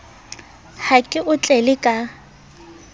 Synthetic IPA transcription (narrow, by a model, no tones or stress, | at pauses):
hakʼɪʔʊt͡ɬʼɛlɪkʼa